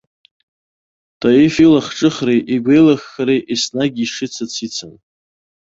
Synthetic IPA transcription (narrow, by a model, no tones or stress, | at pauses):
tʼajifilaχʈ͡ʂʼɨχrejʔiɡʷejlaxːaɾejʔisnaɡʲiʂɨt͡sʰat͡sʰit͡sʰan